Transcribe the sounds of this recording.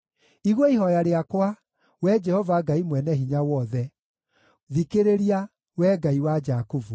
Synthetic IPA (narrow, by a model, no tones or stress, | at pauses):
iɣwɔiɦɔjaɾeakwa | wɛd͡ʒɛhɔvaɡaimwɛnɛɦiɲawɔðɛ | ðikeɾeɾia | wɛɡaiwad͡ʒakuvu